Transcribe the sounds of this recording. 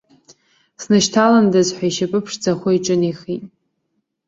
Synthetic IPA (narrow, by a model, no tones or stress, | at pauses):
snɨʃtʰalandazħʷᶣaiʃapʼɨpʰʂd͡zaχʷoiʈ͡ʂʼɨniχitʼ